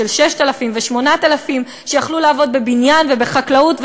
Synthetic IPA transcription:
elʃeʃtalafimveʃmo̞nat̪alafim | ʃejaχlulaːvo̞d̪̚be̞binjanve̞be̞χaklautv

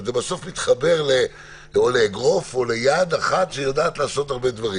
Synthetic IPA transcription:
zebaso̞fmit̪χabe̞ʁle | oleːɡʁo̞fo̞le̞jad̪aχat̪ʃejad̪aːt̪laːso̞t̪aʁbe̞d̪vaʁi

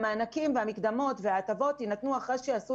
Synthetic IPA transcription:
maanakimveamikd̪amo̞t̪veaːt̪avo̞t̪inat̪nuaχaʃeasu

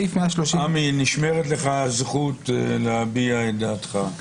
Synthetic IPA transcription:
ifmeaʃloʃiaminiʃmeʁet̪le̞χazχut̪leabiaed̪at̪χa

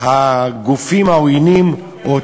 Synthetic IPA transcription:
haɡufimawinim | o

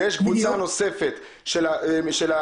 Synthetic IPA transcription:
jeʃɡvut͡sano̞se̞fet̪ | ʃelaʃela

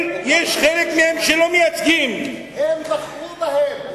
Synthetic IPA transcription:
jeʃχelekmehemʃelomejat͡sɡim | hemzaχlubɐhem

